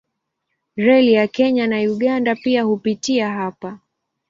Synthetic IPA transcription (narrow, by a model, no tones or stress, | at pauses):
ɾɛlijakɛɲanajuɠandapiahupitiaɦapa